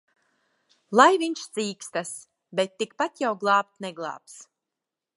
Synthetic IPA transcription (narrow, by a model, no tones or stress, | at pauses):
lˠajviɲʃt̪z̥iːkst̪as | bɛt̪ːikpat̪jawɡlˠɑːp̚t̪nɛɡlˠɑ̰ːps